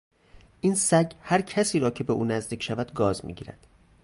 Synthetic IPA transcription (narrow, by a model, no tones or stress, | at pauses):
ʔinsæɟhæɾcʰæsiːɾɒːcʰe̞be̞ʔuːnæzd̪iːcʰʃævæd̪ɡɒːzmḭːɟiːɾæ̰d̪̥